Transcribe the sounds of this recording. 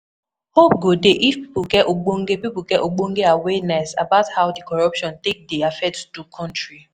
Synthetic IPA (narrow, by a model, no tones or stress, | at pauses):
hop̚ɡodeʔifpipʊɡɛtoɡ͡boŋ̩ɡepipuɡɛʔoɡ͡boŋ̩ɡeawɛnɛsa̰bathaʊdikɔɹɔpʃɔ̃ntek̚deafɛtdukʰɔ̃ntɹi